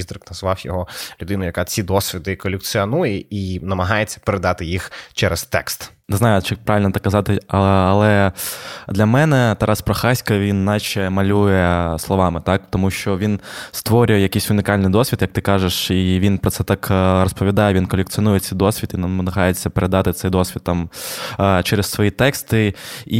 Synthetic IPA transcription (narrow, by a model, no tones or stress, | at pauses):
izd̪ɾɪknɐzʋɑwjɔɦɔlʲʊd̪ɪnʊjɐkɑt͡sʲid̪ɔsʲʋʲid̪ɪkɔlʲek̪̚sʲiɔnujɛinɐmɐɦɑjet͡sʲːɐ̥peɾed̪ɑt̪ɪjixt͡ʃɛɾɛst̪ɛ̰kst̪ | neznɑjʊt͡ʃɛpɾɑʋʲilʲnɐt̪ɑkːɐzɑt̪ɪɐɐlˠɛ | d̪lʲɐmɛnɛt̪ɛɾʔɑspɾɔxɑsʲkɐʋʲinːɑt͡ʃɛmɐlʲujɛslˠɔʋɑmɪt̪ɑkt̪ɔmuʃt͡ʃɔʋʲinst̪ʋɔɾʲʊjɛjɐkisʲʊnʲɪkɑlʲnɪjd̪ɔsʲʋʲit̪jɐk̚t̪ɪkɑʒeʂiʋʲinpɾɔt̪sɛt̪ɑkɾɔspɔʋʲid̪ɑjɛʋʲinkɔlʲek̚t͡s̪siɔnujɛtsɛjd̪ɔsʲʋʲit̪inɐɐɐɦɑjet͡sʲːɐpeɾʔed̪ɑt̪ɪt̪sɛjd̪ɔsʲʋʲit̪̚ːɑm | t͡ʃɛɾessʋɔjit̪ɛkst̪ɪi